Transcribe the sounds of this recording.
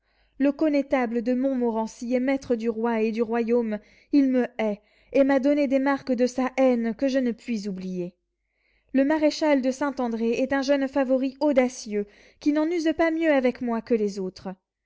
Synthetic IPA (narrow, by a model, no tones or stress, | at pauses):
ləkɔnet̪abləd̪əmɔ̃mɔʁɑ̃siɛmɛt̪χəd̪yʁwaed̪yʁwajom | ilməɛ | emad̪ɔned̪emaʁkd̪əsaʔɛnkəʒənəpɥizublije | ləmaʁeʃald̪əsɛ̃t̪ɑ̃d̪ʁeɛt̪ɛ̃ʒœnfavɔʁiɔd̪asjø | kʲinɑ̃nyzpamjøavɛkmwakəlezot̪χ